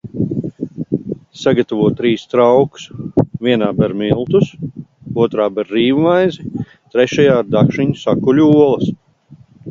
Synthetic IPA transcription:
saɡat̪avuɔt̪̚t̪ːɾiːst̪ɾawksvʲiɛnaːbɛɾmilˠt̪usuɔt̪ɾaːbɛɾːiːvumajzi | t̪ɾɛʃajaːɾd̪akʃiɲu̥sakulʲuuɔlˠɐs

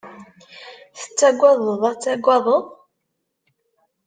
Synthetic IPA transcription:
θə̥t͡sːæɡʷɑðˤəðˤæt͡sːæɡʷːɑðˤəðˤ

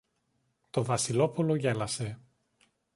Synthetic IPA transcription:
t̪o̞vɐsilo̞polo̞ʝe̞lɐse̞

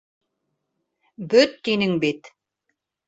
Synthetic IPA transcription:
bɵt̪ːinɘŋbit̪

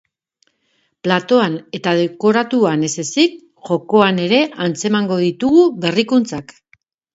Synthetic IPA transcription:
plat̪o̞ane̞t̪að̞e̞ko̞ɾat̪uane̞se̞sik̚ | ʝo̞ko̞ane̞ɾe̞ʔant͡se̞maŋɡo̞ð̞it̪uɣuβe̞rikunt͡sak

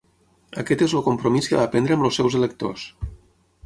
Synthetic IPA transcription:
akɛt̪ezlokumpɾomiskəβapɛnd̪ɾəəmlosːɛwzelək̚t̪o̰s

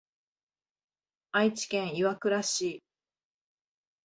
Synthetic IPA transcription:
ait͡ɕi̥kẽɰ̃iβakɯ̟ɾaɕiː

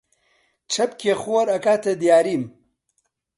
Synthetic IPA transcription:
t͡ʃʰɐpkʰexoɾɐkaːt̪ʰed̪jaːɾiːm

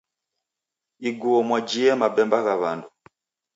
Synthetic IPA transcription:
iɡuɔmwad͡ʒiɛmabɛmbaɣaβandu

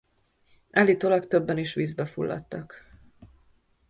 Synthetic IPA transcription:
ɛlit̪olɒkt̪øbːɛniʃʋiːzbɛfṵlːɒ̰t̪ːɒk

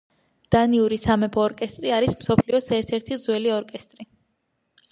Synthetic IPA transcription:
d̪̥aniuɾisamɛpʰɔːɾkʼɛst̪ʼɾiaɾismsɔpʰliɔsɛɾt̪ʰɛɾt̪ʰizwɛliɔɾkʼɛst̪ʼɾi

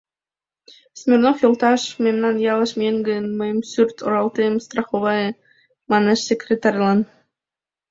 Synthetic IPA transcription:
smʲernoxjolˠt̪ɑʃmʲemnɑnjɑlˠɤʃmʲeŋɡɘnmɤjmsʲyrʲt̪ʰoɾɑlˠt̪emst̪rɑχovɑj | mɑneʃsʲekrʲet̪ɑrʲlˠɑn

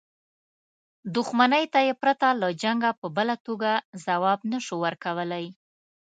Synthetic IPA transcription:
d̪ʊxmanəjt̪ajepɾat̪alad͡ʒaŋɡapəbəlat̪oɡazawɑbnaʃuwəɾkawəlaj

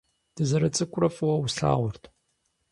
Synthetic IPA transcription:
d̥ɨzɐɾɐt͡sʼɨkʷʼʊrɐfʼwɐwɬa̰ːʁʷʊrtʰ

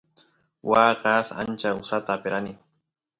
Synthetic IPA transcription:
waqɑsa̰nt͡ʃaʊsat̪aːpeɾanɪ

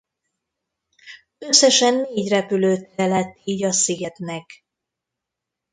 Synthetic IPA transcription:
ø̞sːɛʃɛnːeːɟrɛpyløːt̪ɛɛlɛt̪ːiːɟɒsiɡɛt̪nɛk

